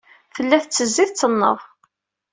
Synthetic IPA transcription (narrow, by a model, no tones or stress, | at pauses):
fəlːæθt͡sːəzːiθt͡sːənːə̰ðˤ